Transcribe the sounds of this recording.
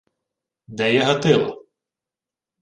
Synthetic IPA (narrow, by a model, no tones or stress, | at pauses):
d̪ɛjɛɦɐt̪ɪlˠɐ̰